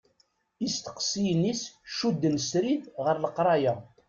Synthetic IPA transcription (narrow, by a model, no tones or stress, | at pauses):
ist̪ə̥qsijnisʃud̪ːənsɾiθʁəɾləqɾˤɑjæ